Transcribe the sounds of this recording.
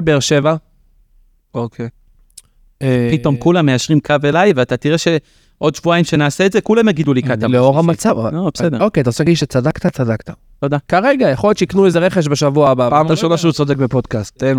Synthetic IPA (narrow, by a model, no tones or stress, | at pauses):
lbeːʁʃeva | okʰe | pito̞mkulamːeaʃʁimkʰave̞lajveat̪at̪iʁeʃe̞ | ʔo̞d̪ʃvuaimʃenaːseːtzekulamjaɡid̪ulikat̪aleoʁamat͡savobesed̪eo̞keat̪aʁselaɡidʃet͡sadakt̪at͡sad̪akt̪a | tod̪akaʁeɡajaχojott͡ʃeiknuezeʁeχeʃ̬beʃavuaabaapataʃolaʃeut͡sodek̚bepo̞dkast̚en